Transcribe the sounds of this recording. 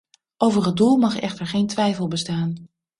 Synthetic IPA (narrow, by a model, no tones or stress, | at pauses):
ʔowvəɹɦəd̚dulˠmɑχɛ̰χtəɹχejntʋɛjfəlˠbəstaːn